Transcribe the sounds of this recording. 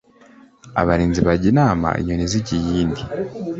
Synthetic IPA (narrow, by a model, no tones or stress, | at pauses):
a̰βaɾiːnziβaɟinaːma̰ʔḭɲoniziɟijiːndi